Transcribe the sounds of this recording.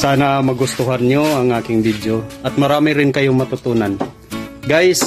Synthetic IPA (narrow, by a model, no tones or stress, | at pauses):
saːnɐmɐɡʊst̪ʊɦanɲoɐŋʔaːkɪŋbid̪joʔɐt̪̚mɐɾaːmɪɾɪnkɐjoŋmɐt̪ʊt̪uːnan | ɡajs